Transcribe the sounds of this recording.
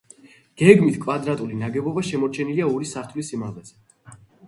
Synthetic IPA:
ɡ̥ɛɡmit̪ʰkʼvad̪ɾat̪ʼulinaɡɛbɔbaʃɛmɔɾt͡ʃʰɛniliaɔɾisaɾt̪ʰulisimalɛz̥ɛ

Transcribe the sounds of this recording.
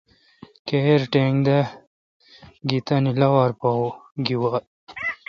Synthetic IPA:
keɾʈeːŋɡd̪ɐ | ɡit̪ɐnilɐwaɾpawɡiwat̪

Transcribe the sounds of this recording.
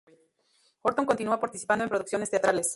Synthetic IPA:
xoɾt̪o̞ŋkont̪inuapaɾt̪isi̥pand̪oe̞mpɾo̞ðuksjo̞nest̪eat̪ɾales

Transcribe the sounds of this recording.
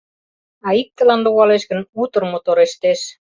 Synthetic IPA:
ɑik̚t̪ə̆lɑnluɣɑleʃkə̆nut̪ə̆rmot̪oɾeʃt̪eʃ

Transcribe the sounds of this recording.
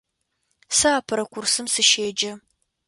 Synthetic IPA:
saaːpʰɐɾɐkʷʊrsɨmsɨʃeːd͡ʒɐ

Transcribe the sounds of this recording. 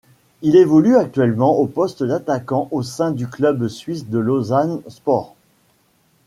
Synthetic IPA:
ilevɔlyak̚t̪ɥɛlmɑ̃ʔopɔst̪d̪at̪akɑ̃ʔosɛ̃d̪yklœbsɥisd̪əlozanspɔʁ

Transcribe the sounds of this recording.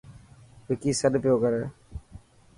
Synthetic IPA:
ʋɪkiːsəɗpɪjoːkəɾeː

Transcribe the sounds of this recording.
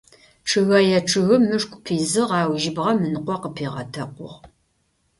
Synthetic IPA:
ʈ͡ʂʰɨɣɐjɛʈ͡ʂʰɨɣʊmɨʂkʷʼpʰiːzɨʁɑːwʒɪbʁɐmɨnɨqʷɔqəpʰiːʁɐ̰tʰɐqʷʊ̰ʁ

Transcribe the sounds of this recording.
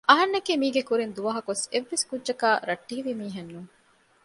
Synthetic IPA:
ʔɐɦɐnːɐkiːmiːɡekuɾind̪uʋɐɦɐkuseʋːeskudːʒɐkaːɾɐʈːiːʋimiːɦɐnːuŋ

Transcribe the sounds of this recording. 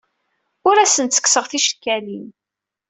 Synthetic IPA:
ʊɾæsənt̪t͡sːə̥kːsəʁθiʃə̥kːælin

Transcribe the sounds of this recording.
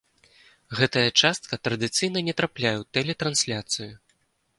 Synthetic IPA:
ɣɛt̪ɐjɐt͡ʂast̪̚kɐt̪ɾɐd̪ɨt̪sɨjnɐnʲɛt̪ɾaplʲajɛwt̪ɛlʲɛt̪ɾansʲlʲat̪sɨju

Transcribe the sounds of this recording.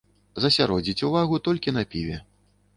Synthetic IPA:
zɐsʲaɾɔd͡zʲit͡sʲuvaɣut̪ɔlʲkʲin̪ɐpʲivʲɛ

